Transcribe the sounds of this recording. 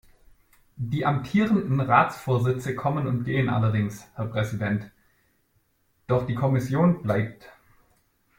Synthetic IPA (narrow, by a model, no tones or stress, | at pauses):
d̥iːʔamtʰiːʁəndn̩ʁaːt͡sfoːɐzɪt͡səkʰɔmənʊntɡ̥eːənʔa̰lɐdɪŋshɛɐpʁ̥ɛzidɛnt | d̥ɔχd̥iːkʰɔmɪsjoːnblaɪp̚t